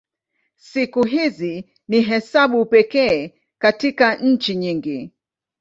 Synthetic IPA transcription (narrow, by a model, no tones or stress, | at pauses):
sikuɦizi | niɦɛsaɓupɛkɛː | katikaɲ̩t͡ʃiɲiŋɡi